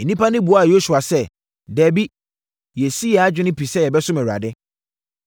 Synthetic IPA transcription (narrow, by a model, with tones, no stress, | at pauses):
e˨nĩ˦pa˦nɪ̃˦bu˨a˦˨jo˦su˨a˨sɛ˦ | dɛː˨bi˦ | jɛ˨si˦ɛ˨a˦d͡ʑᶣɪ˦nɪ̃˦pʰi˨sɛ˦jɛ˨bɛ˦sʊ̃˦mɛ̃˨wa̰˨dɪ˦